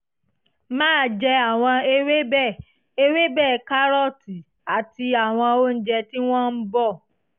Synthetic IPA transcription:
mãː˦˨d͡ʒɛ˧a˦˨w̃ɔ̃˧e˧we˦bɛ˦˨ | e˧we˦bɛ˦˨ka˦ɾɔ˦˨ti˨ | a˨ti˧a˨w̃ɔ̃˧o˦n̩˦d͡ʒɛ˧ti˦w̃ɔ̃˦n̩˦bɔ˦˨

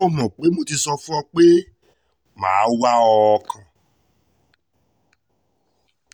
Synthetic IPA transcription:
o˦mɔ̃˨k͡pe˨˦mo˧ti˧sɔ˧fũ˦ɔ˧k͡pe˦ | mã̰ː˨˦wa˦ɔ˧kã˧

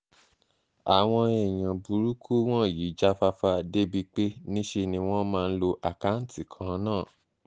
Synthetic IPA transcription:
a˨w̃ɔ̃˧ɛ˨j̃ã˨bu˨ɾu˦kʰu˦w̃ɔ̃˦˨ji˨˦d͡ʒa˦fa˦fa˧de˦bi˦k͡pe˦nĩ˦ʃe˧nĩ˧w̃ɔ̃˦mãː˧n̩˦lo˧ʔa˨ka˨˦n̩˦ti˨kʰã˨˦nãː˦˨

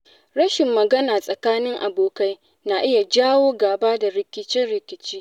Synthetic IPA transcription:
ɽɐ˦ʃɪ˨mːɐ˨ɡɐ˦naː˨sʼɐ˨kaː˦nɪ˦ŋʔa˨boː˨ka˦j | na˨ʔɪ˦ja˨d͡ʒaː˦woː˦ɡaː˨baː˦da˨ɾɪ˨kʲɪ˦t͡ʃɪ˦nɽɪ˨kʲɪ˨t͡ʃiː˦

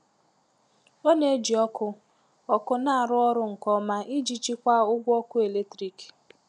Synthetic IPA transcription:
o˦ne˦d͡ʒi˨ɔ˦kʊ˦ | ɔ˨kʊ˦na˦˨a˨ɾʊ˦ɔ˦ɾʊ˨ŋ̩˨kɔ˦ma˦ʔi˦d͡ʒi˦t͡ʃi˦kʷa˦ʊ˦ɡʷɔ˦kʊ˦e˨le˦tɾi˨k

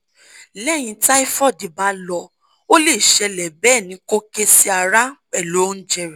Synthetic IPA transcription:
lɛ˦˨j̃ĩ˧ta˦i˦fɔ˦˨di˨ba˨˦lɔ˧ | o˦le˦˨ʃɛ˧lɛ˨bɛː˦˨nĩ˨˦ko˦ke˦si˦a˨ɾa˦k͡pɛ˦˨lo˨˦n̩˦d͡ʒɛ˧ɾi˨

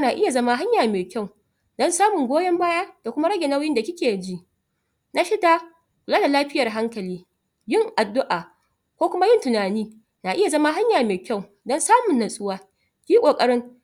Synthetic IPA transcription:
naː˨ʔɪ˦ja˨zɐ˦ma˦ɦa˦ɲjaː˨meː˨kʲa˦˨w | dɔ˦nsaː˦mʊ˨ŋɡʷoː˦jɐ˦mbaː˦ja˦d̥a˨kʷʊ˦ma˦ɽɐ˦ɡʲe˨na˦wjɪ˦nda˨kʲɪ˦kʲeː˨d͡ʒi˦ʔ | na˦ʃɪ˦da˦ | kʷʊ˨laː˦da˨laː˦ɸɪ˦jɐ˨rɦa˦ŋkɐ˨liː˦ | jɪ˦ŋʔa˨dːʊ˦ʔaː˨ | kʷoː˦kʷʊ˦ma˦jɪ˦ntʊ˨naː˨niː˦ | naː˨ʔɪ˦ja˨zɐ˦ma˦ɦa˦ɲjaː˨meː˨kʲa˦˨w | dɔ˦nsaː˦mʊ˨nːɐ˨sʼʊ˦waː˦ | kʲiː˦kʷʼoː˨kʼɐ˦ɽɪ˦ŋ

